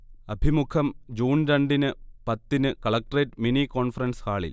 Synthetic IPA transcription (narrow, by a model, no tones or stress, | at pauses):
ɐbʱimukʰɐmd͡ʑuːnɾɐɳɖinɨpɐt̪ːinɨkɐɭɐk̚ʈɐreːʈminiko̞ːnfɐrɐnskaːɭḭl